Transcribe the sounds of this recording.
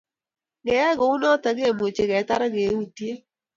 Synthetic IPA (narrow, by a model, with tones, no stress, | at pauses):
ɡɛ˨˦ɛ˦ɡɔ˨u˦nɔ˦ta˨ɡe˦˨mo˨t͡ʃe˨ɡɛ˨˦ta˦ɾa˦ɡe˨˦wu˨ti˦e˦